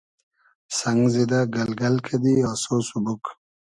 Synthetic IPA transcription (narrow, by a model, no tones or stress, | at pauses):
sɐŋɡzid̪aɡɐlɡɐlkʰed̪iasoːsubuk